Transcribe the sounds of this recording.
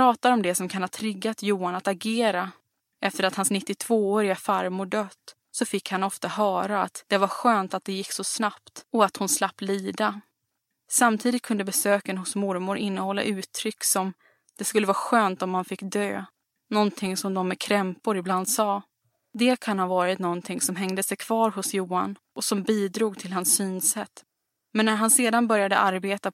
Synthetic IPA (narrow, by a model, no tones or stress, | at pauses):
ɾɑːt̪aɾɔmd̪ɛsɔmkʰanhat̪ʰɾɪɡːat̪juːanat̪aɡeːɾa | ɛft̪əɾat̪hansnɪt̪ːɪt̪ʰv̥oːoːɾɪɡafaɾmʊɖøːt̪ | sɔfɪkːhanɔft̪aɦœːɾaat̪d̪̥ɛvaɾɧøːnt̪at̪̚d̪ɛjɪkːsɔsnap̚t̪ɔat̪hʊnslapːliːd̪a | samt̪ʰiːd̪ɪt̪̚kʰɵnd̪əbɛsøːkənhʊsmʊɾmʊɾʔɪnːəhɔlːa̰ʔʉ̟ːt̪ʰɾʏkːsɔm | d̪̥ɛskɵlːəvɑːɾɧøːnt̪ɔmːanfɪkːd̪ø̰ː | nɔnt̪ʰɪŋsɔmd̪ɔmːɛkʰɾɛmpʊɾɪbland̪sɑː | d̪ɛkʰanhɑːvɑːɾɪt̪nɔnt̪ʰɪŋsɔmɦɛŋd̪əsɛjkʰv̥ɑːɾɦʊsjuːanʔɔsɔmbiːd̪ɾuːɡ̚t̪ʰɪlɦansːyːnsɛt̪ː | mɛnːæɾɦanseːd̪anbœɾjad̪ə̰ʔaɾbeːt̪a